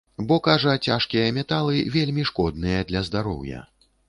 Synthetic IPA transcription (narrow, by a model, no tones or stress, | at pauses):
bɔkaʐɐt͡sʲaʂkʲijɐmʲɛt̪alˠɨvʲelʲmʲiʂkɔd̪nɨjɐd̪lʲɐzd̪aɾɔ̰wjɐ̰